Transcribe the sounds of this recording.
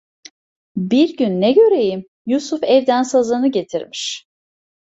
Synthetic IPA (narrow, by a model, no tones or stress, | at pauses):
biɾɟynːɛɟø̞ɾe̞jim | jusufɛvd̪ænsazɯnɯɟe̞t̪ʰiɾmiʃ